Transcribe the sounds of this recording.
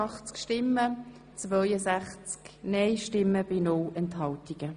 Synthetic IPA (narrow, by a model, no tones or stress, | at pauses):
ɑχt͡skʃtɪmːə | t͡svœjəsæχt͡sknɛɪʃtɪmːəb̥ɪnowɛnthɑltiɡ̥ə